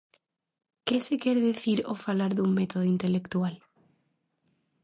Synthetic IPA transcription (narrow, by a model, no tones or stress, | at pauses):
kesekeɾðeθiɾofalaɾðuŋmet̪oðoint̪elekt̪ual